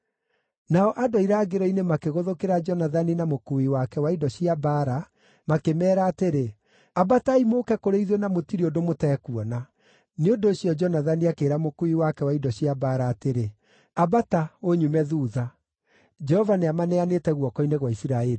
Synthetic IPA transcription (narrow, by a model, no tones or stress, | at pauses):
naɔʔadɔiɾaːɡeɾɔinemakeɣoðokeɾad͡ʒɔnaðaninamokuiwakɛwaidɔɕiabaɾa | makemɛːɾaːteɾe | abataimoːkɛkoɾeiðwenamotiɾiodomotɛːkuɔna | neondoːɕijɔd͡ʒɔnaðaniakeːɾamokuiwakɛwaidɔɕiabaɾaːteɾe | abataoɲumɛðuːða | d͡ʒɛhɔvaneamanɛanetɛɣwɔkɔineɣwaisiɾaɛɾi